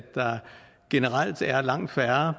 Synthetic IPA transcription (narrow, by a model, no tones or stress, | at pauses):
ɑ̈ | ɡ̥e̝nəʁɑl̰d̥æɐlɑ̈ŋ̰d̥fæɐɐ